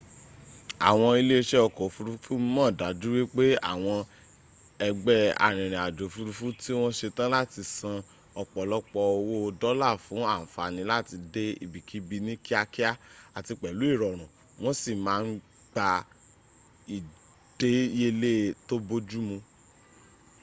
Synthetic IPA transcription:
a̰˨w̃ɔ̃˧i˧le˦˧ʃɛ˦ɔ˧˨kɔ˨fu˧ɾu˦fũ˦mɔ̃˦˨da˨˦du˦wi˦k͡pe˦a̰˦˨w̃ɔ̃˧ | ɛ˧ɡ͡bɛ˦a̰˨ɾ̃ĩ˨ɾ̃ĩ˨a˨d͡ʒo˨˦fu˧ɾu˧˦fũ˦ti˦w̃ɔ̃˦ʃe˧tã˦la˦ti˧sã˧ | ɔ˨k͡pɔ˨lɔ˦k͡pɔ˧o˧wo˦o˧dɔ˦la˦˨fũ˨˦a˦˨n̩˨fa˨nĩ˧˦la˦ti˧de˦ḭ˦˨bi˨ki˨˦bi˧nĩ˦ki˦a˧ki˦a˦a˨ti˧k͡pɛ˨lu˨˦i˦˨ɾɔ˨ɾ̃ũ˨ | w̃ɔ̃˦si˦˨mãː˦ | ɡ͡ba˧ | i˨ | d̥e˦e˦le˦˨to˦bo˦d͡ʒu˦mũ˧

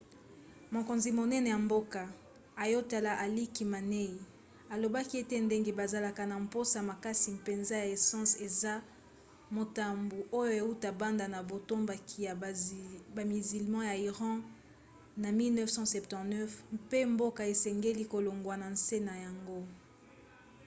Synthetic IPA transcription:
mo˨ko˨nzi˨mo˨nɛ˦nɛ˨ja˨mbo˦ka˨ | a˨jo˦ta˨la˦ʔa˨li˦ki˨ma˨ne˦i˨ | a˨lo˨ba˦ki˦e˦te˦nde˦ŋɡe˦ba˨za˨la˨ka˨na˨m̩po˦sa˨ma˨ka˦si˨pe˨nza˦ja˨e˨sɑ̃˦se˨za˦ | mo˨ta˨mbu˨ʔo˦jo˦e˨u˦ta˨ba˦nda˨na˨bo˨to˦mba˨ki˦ja˨ | ba˨mi˨zi˨lmɑ̃˦ja˨i˨ʁɑ̃˦ | na˨mi˦lnɛ˦fsɑ̃˦sɛ˨ptɑ̃˨tnɛ˦fpe˦mbo˦ka˨e˨sɛ˨ŋɡe˦li˦ko˨lo˨ŋɡwa˨na˨nse˦na˨ja˨ŋɡo˦

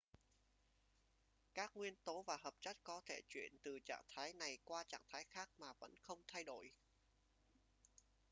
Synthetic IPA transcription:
kaː˦˥k̚ŋwi˧ənt̪o˨˦vaː˨˩ɦəː˨˩p̚t͡ɕə˦˥t̚kɔ˨˦t̪ʰe˧˩t͡ɕwḭ˧˨ənt̪ɨ˨˩t͡ɕa̰ː˧˨ŋt̪ʰaː˨˦jna˨˩jkwaː˧t͡ɕa̰ː˧˨ŋt̪ʰaː˨˦jxaː˦˥k̚maː˨˩və̰˧˥nxə˧wŋ͡mt̪ʰa˧jɗo̰˧˩˨j

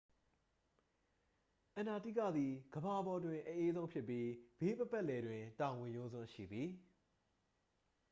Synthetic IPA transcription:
ʔã˨na˨tḭ˦˨kä̰˦˨d̪i˨ɡ̥əba˨ʔəbɔ˨dwɪ̃˨ʔə˨ʔe˦zõ˦ʊ̃mpʰjɪ˦˨pːji˦b̥e˦pə˦pɛ˦ʔlɛ˨dwɪ̃˨tã˨wɪ̃˨jʊ̃˦zʊ̰̃˦ʃḭ˦˨bji˨˦

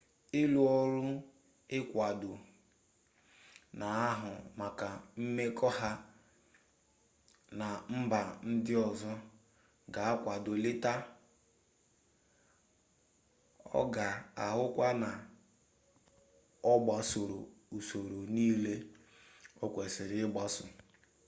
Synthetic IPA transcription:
ɪ˦lu˨ɔ˦ɾʊ˦ | ɪ˦kʷa˨dʊ˨ | na˨a˦ɦʊ˨ma˨ka˨m̩˦me˦kʰɔ˦ɦa˦ | na˨m̩˦ba˨n̩˦dɪ˦ɔ˨zɔ˦ | ɡa˨a˦kʷa˨do˨lɪ˦ta˦ | ɔ̰˦ɡa˨a˨ɦʊ˦kʷa˦na˨ | ɔ˦ɡ͡ba˨so˨ɾo̰˨u˨so˨ɾo˨niː˦le˦ | o˦kʷe˨sɪ˨ɾɪ˦ɡ͡ba˦sʊ˨

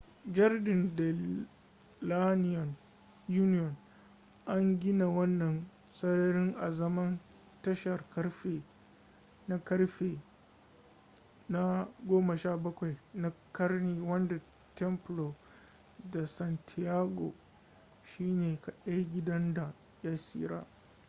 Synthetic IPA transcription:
d͡ʒɐ˦rdɪ˨ndɛ˨ | la˦nɪ˦jɔ˨n | juː˦nɪ˦jɔ˨n | ʔa˦ŋɡʲɪ˦na˨wɐ˦nːɐ˨n | sɐ˦ɽɐ˦ɽɪ˦ŋʔa˨zɐ˦mɐ˦n | tɐ˦ʃɐ˨rkɐ˦ɽɸeː˨ | na˦kɐ˦rɸeː˨ | na˦ɡʷoː˦mɐ˨ʃaː˦bɐ˦kʷa˨jna˦kɐ˦rniː˦wɐ˦nda˨ | tɛ˦mplo˨ | da˨sɐ˨ntʰi˨jaː˦ɡo̰˨ | ʃiː˦neː˨ka˨ɗɐ˦ɡʲɪ˦dɐ˦nda˨ | ja˦sḭː˦ɾa̰ː˦

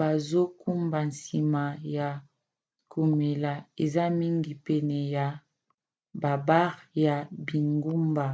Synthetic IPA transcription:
ba˨zo˦ku˦mba˨n˨si˨ma˨ja˨ | ku˨me˨la˨e˨za˦mi˦ŋɡi˨pɛ˨nɛ˨ja˨ | ba˨ba˦ʁja˨bi˨ŋɡu˦mba˨

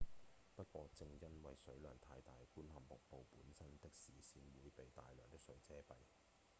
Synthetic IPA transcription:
pɐ˥t̚kʷɔː˧t͡sɪ˧ŋjɐ˥nwɐ˨jsɵ˨˥ɥlœː˨˩ŋt̪ʰaː˧jt̪aː˨jkuː˥nhɐ˨mːʊ˨k̚po˨˧wpuː˨˥nsɐ˥nt̪ɪ˥k̚siː˨siː˧nwuː˨˧jpe˨jt̪aː˨jlœː˨˩ŋt̪ɪ˥k̚sɵ˨˥ɥt͡sɛː˥pɐ˨j

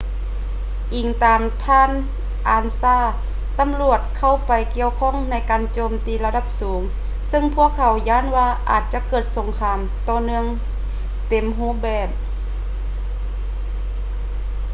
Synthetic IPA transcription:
ʔiː˨˩ŋt̪aː˨mt̪ʰaː˧˥˨n | ʔaː˧nsaː˧˥˩ | t̪a˨˧˦mlu˧˩ət̪̚kʰa˧˩wpa˨˧jki˧əwkʰɔː˧˥˨ŋna˧˥jkaː˨nt͡ɕoː˧˨mt̪iː˨la˧da˧˩p̚suː˨˦ŋ | sɯ˧˨ŋpʰu˧˥˩əkʰːa˧˩wjaː˧˥˨nwaː˧˩ʔa̰ː˨˩t̪̚t͡ɕa˧˦kɤː˧˨˩t̪̚so˨˧˦ŋkʰaː˧mt̪ɔː˧˩nɯ˧əŋ | t̪e˨˩mɦuː˧˥˩bɛː˧˩p̚

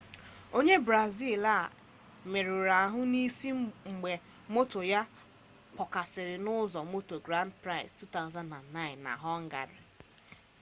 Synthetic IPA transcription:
o˦ɲe˦bɾa˨zi˦˨la˦˨ | me˨ɾʊ˨ɾa˨ɦʊ˦ni˦si˦ŋ͡m̩˨ɡ͡be˨ | mo˦to˨ja˦ | k͡pɔ˨ka˨sɪ˨ɾɪ˨nʊ˦zɔ˨mo˦to˨ɡɾa˦ndpɾa˦ɪ˨stu˦ta˦ʊ˦zã˦nda˨nːa˦ɪ˨nːa̰˨ɦɔ˦ŋ̩˦ɡa̰˨ɾɪ̰˨

